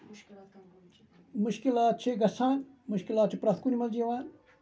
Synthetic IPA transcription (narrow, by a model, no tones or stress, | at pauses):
mʊʃkilaːt̪̚t͡ʃʰeɡɐsãːmʊʃkilaːt̪̚t͡ʃʰipɾaːt̪ʰkunimɐld͡ʒeʋãː